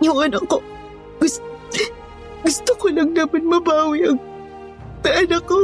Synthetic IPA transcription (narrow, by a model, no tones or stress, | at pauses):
jʊŋɐnɐkːo | ɡʊs | ɡʊst̪okolɐŋlaːbɐnmɐbaːwɪʔɐɡ | t̪ɐʔɐlɐko